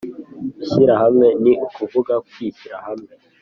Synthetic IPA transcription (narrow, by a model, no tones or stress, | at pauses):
iɕiɾaɦamŋe̞niʔukuvuɡakwitiɾa̰hamŋe̞